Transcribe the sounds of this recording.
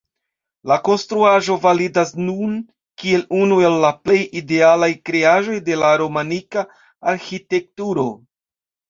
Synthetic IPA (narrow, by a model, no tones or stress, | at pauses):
lako̞nstɾuaʒo̞validasnun | kie̞lunue̞lːaple̞jide̞alajkɾe̞aʒo̞jde̞laɾo̞manikaː | ɾxite̞k̚tuɾo̞